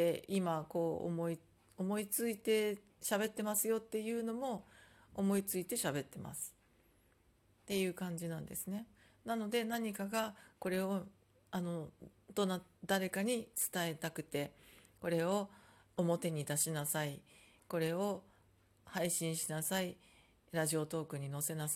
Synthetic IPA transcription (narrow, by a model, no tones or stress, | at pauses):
eimako̞̰ːmoi | omo̞it͡sɨit̪e̞ | ɕabe̞t̪ːe̞masɨjo̞t̪ːe̞jɯ̟ːno̞mo̞ː | mo̞it͡sɨit̪e̞ɕabe̞t̪ːe̞ma̰sɨ̥ | t̪e̞jɯ̟ːkãɲ̟d͡ʑinãnd̪esɨne̞ | nano̞d̪e̞naɲ̟ikaɡako̞ɾe̞o̞ | ano̞d̪̥o̞nad̪aɾe̞kaɲ̟it͡sɨ̥t̪ae̞t̪akɯ̟t̪e̞ko̞ɾe̞o̞ | omo̞t̪e̞ɲ̟id̪aɕinasai | ko̞ɾe̞o̞ | haiɕĩɰ̃ɕinasai | ɾaʑio̞t̪o̞ːkɯ̟ɲ̟ino̞se̞nas